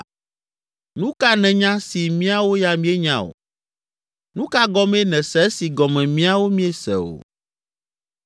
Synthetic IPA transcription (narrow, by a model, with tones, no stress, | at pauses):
nũ˦ka˦nɛ̃˨ɲã˦si˨mĩ˦a˦wo˦ja˨mĩ˦e˦ɲã̰˨o̰˨ | nũ˦ka˦ɡɔ˦me˦nɛ̃˨sɛ˦si˨ɡɔ˨mɛ̃˨mĩ˦a˦wo˦mĩ˦e˦sɛ̰˨o̰˨